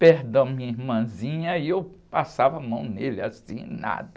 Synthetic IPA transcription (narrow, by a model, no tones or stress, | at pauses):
pehd̪ɐ̃w̃mĩɲɐiɾmɐ̃zĩɲɐiewpasavɐamɐ̃w̃nelɪasḭ̃na̰d̪ɐ